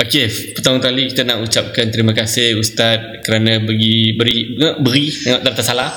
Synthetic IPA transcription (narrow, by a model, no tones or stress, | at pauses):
ʔokepərt̪aʊ̃ŋt̪aliki̥t̪anaʔut͡ʃap̚kant̪əɾimãkasɪhust̪at̪̚kəɾanãbəɡibəɾiə̃bəɾisŋaʔt̪əɾat̪asalah